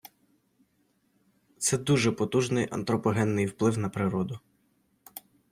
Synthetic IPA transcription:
t̪sɛd̪uʒɛpɔt̪uʒnɪjʔɐ̰nt̪ɾɔpɔɦɛnːɪjwplˠɪwnɐpɾɪɾɔd̪ʊ

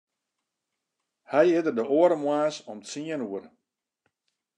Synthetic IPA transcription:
hɛjɪtərdəoəɾəmwaːsɔmtsiənuər

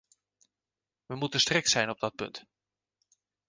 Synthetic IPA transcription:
ʋəmutəstrɪksɛjnɔb̚dɔt̚pɵ̰nt

